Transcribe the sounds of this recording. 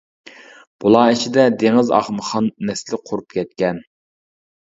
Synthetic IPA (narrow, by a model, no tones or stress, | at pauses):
b̥ulˠɑːit͡ʃʰid̪ɛd̪eŋɪzɑ̰χməχɑnːɛslɪqʰoɾup̚kʲʰɛt̪̚kʲɛn